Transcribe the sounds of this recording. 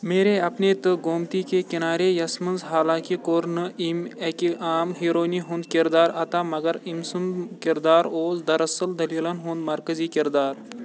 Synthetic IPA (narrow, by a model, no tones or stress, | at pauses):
meːɾeɐpnet̪ɨɡoːmt̪ikekinaːɾejɐsmɐnzɦaːlaːkikoɾnɨimekiaːmɦiːɾoːniɦũnd̪kiɾd̪aːɾɐt̪aːmɐɡɐɾimsumkiɾd̪aːɾoːsd̪ɐɾɐsɐld̪ɐliːlɐnɦũnd̪mɐɾkɐziːkiɾd̪aːɾ